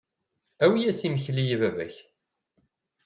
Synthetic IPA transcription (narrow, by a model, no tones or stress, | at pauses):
æwijæsiməçlijivævæ̰ç